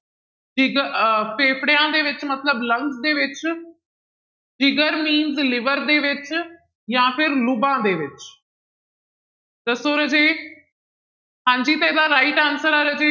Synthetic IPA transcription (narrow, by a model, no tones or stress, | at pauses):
d͡ʒɪɡəpʰeːpʰɽejãːd̪eːʋɪt͡ʃmət̪ləbləŋksd̪eːʋɪt͡ʃ | d͡ʒɪɡəɾmiːnzlɪʋəɾd̪eːʋɪt͡ʃ | jãːpʰɪɾlʊbãːd̪eːʋɪt͡ʃ | d̪əsoːɾəd͡ʒeː | ɦãːɲd͡ʒiːt̪eɪd̪aːɾaːiʈansəɽaːɾəd͡ʒeː